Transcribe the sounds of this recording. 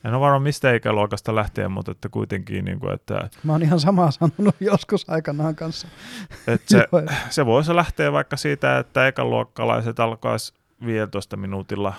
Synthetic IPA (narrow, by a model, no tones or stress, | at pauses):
enoʋɑrmɑmist̪æikæluɑkɑst̪ɑlæht̪ḛːmmṵt̪et̪ːækuit̪eŋkḭːnḭːŋkṵḛt̪ːæ̰mæoːnihɑnsɑmɑːsɑnonujjoskusɑikɑnɑːŋkɑnsːɑet̪seseʋoislæht̪eːʋʋɑikːɑsiːt̪æḛt̪ːæekɑlṵɑkːɑlɑ̰iset̪ɑlkɑ̰is | ʋiːjelt̪oist̪ɑminuːt̪ilːɑ